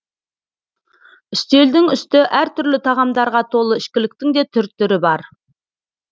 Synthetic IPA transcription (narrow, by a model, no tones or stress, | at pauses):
ʏst̪e̞ld̪ɪŋʏst̪ɪʔæɾt̪ʰʏɾlɪt̪ʰɑʁɑmd̪ɑɾʁɑt̪ʰo̞lˠəɪʃkʲɪlɪk̚t̪ɪŋd̪e̞t̪ʰʏɾt̪ːʏɾɪbɑɾ